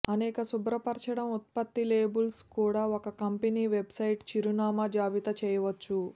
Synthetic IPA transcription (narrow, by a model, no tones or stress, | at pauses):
ɐnɛːkɐsubɾɐpɐɾt͡ʃɐɽɐmut̪̚pɐt̪ːileːbulskuːɽaːokɐkɐmpeniːʋebsɐjʈt͡ʃiɾunaːmɐd͡ʒaːʋit̪ɐt͡ʃɛːjɐʋɐt͡ʃːu